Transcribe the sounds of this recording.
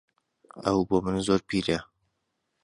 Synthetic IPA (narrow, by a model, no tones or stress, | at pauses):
ɐ̰wboːmɨnzoɾpiːɾe